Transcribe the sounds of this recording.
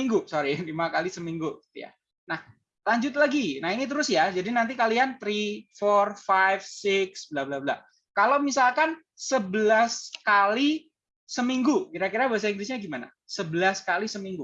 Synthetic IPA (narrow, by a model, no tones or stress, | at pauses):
iŋɡusoɾilimakalisəmiŋɡuɡi̥t̪ṵja̰ | nah | laɲd͡ʒʊt̪̚laɡinahinit̪̬əɾʊsjad͡ʒadinant̪̬ikaliant̪ɾifɔrfajfsɪksblablabla̰ | kalowmisalkan | səbəlaskali | səmiŋɡukiɾakiɾabaɦas̬aiŋɡlɪs̬ɲaɡimana̰ | səbəlaskalisəmiŋɡu